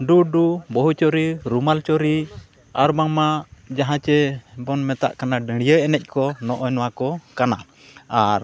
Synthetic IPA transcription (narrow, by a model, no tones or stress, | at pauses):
ɖuɖubɔɦut͡ʃɔɾiɾumalt͡ʃɔɾi | aɾbaŋmad͡ʒaɦãt͡ʃɛbɔnmɛt̪a̰ʔkanaɖəɽ̃ijəɛnɛc̚ˀkɔnɔʔɔjnɔwakɔkana | aɾ